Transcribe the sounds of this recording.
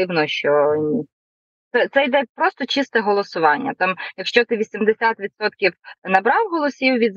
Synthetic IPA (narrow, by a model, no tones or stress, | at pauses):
ɪwnɔʃt͡ʃɔnʲi | t̪ɛt̪sɛjd̪ɛpɾɔst̪ɔt͡ʃist̪ɛɦɔlˠɔsʊʋɑnʲːɐt̪ɑmjɐkʃt͡ʃɔt̪ɪʋʲisʲimd̪esʲat̪ʋʲid̪sɔt̪kʲiwnɐbɾɑwɦɔlˠɔsʲiwʋʲid̪z